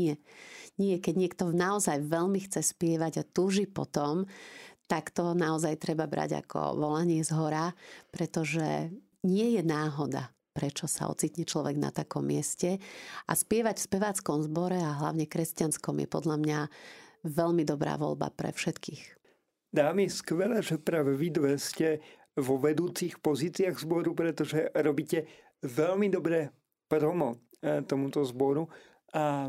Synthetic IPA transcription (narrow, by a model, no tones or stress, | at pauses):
ɲɛɲɪɛkɛɟɲɪɛkt̪ɔnaɔzajʋɛʎmixt͡sɛspɪɛʋaɟat̪uːʒipɔ̰t̪ɔmt̪akt̪ɔnaɔzajt̪ɾɛbabɾa̰ɟa̰kʰɔ̰ʋɔlaɲɪɛzɦɔɾapɾɛt̪ɔʒɛ | ɲɪɛjɛnaːɦɔd̪a̰ | pɾɛt͡ʃɔsa̰ɔ̰t͡siːt̪ɲɛt͡ʃlɔʋɛɡna̰t̪akɔmːɪɛscɛʔaspɪɛʋaɟfspɛʋaːt͡skɔmzbɔɾɛaɦla̰ʊɲɛkɾɛscanskɔmjɛ̰pɔd̪ʎamɲa | ʋɛʎmid̪ɔbɾa̰ːʋɔ̰lba̰pɾɛ̰fʃɛt̪kiːx | d̪aːmiskʋɛlɛʒɛpɾaʋɛʋid̪ʋɛscɛ | ʋɔʋɛd̪uːt͡sixpɔziːt͡siaɣzbɔɾupɾɛt̪ɔʒɛɾɔbiːcɛ | ʋɛlmid̪ɔbɾɛː | pɾɔmɔ | t̪ɔmut̪ɔzbɔɾu | a